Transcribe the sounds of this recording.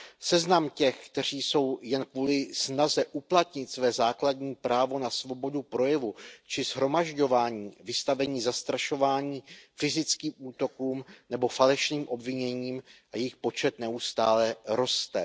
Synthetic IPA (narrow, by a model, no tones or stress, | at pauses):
sɛznamcɛxkt̪ɛr̝iːso̞wjɛnkvuːlɪsnazɛʔuplat̪ɲɪt̪svɛːzaːkladɲiːpɾaːvo̞nasvo̞bo̞dupɾo̞jɛvut͡ʃɪzɦɾo̞maʒɟo̞vaːɲiːvɪst̪avɛɲiːzast̪ɾaʃo̞vaːɲiːfɪzɪt͡skiːmʔuːt̪o̞kuːmnɛbo̞falɛʃniːmʔo̞bvɪɲɛɲiːmʔajɛxpo̞t͡ʃɛt̪nɛust̪aːlɛɾo̞st̪ɛ